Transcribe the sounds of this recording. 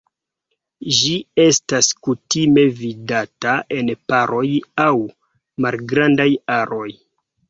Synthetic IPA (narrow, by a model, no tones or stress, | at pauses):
ʒie̞staskutime̞vidataʔe̞npaɾʔo̞jaw | malɡɾandajaɾo̞j